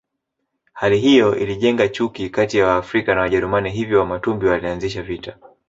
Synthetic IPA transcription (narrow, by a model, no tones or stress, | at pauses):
haliɦijɔʔḭliʄɛŋɡat͡ʃukikatijawaːfɾikanawaʄɛɾumaniɦivjɔwamatumbiwalianziʃavita